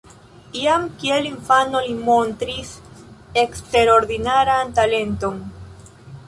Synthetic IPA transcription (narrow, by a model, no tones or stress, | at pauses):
iamkieliɱfano̞limo̞ntɾisekste̞ɾo̞ɾd̪inaɾantale̞nto̞n